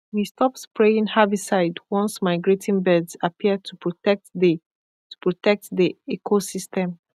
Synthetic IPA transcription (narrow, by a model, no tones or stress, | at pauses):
wistʰɔpspʰɹeĩŋhavisaɪdwɔ̃nsmaɪɡɹetʰĩnbɛdzapʰiətʰupɹtɛk̚di | tu̥pʰɹotʰɛk̚tdiɛkʰosistɛ̃m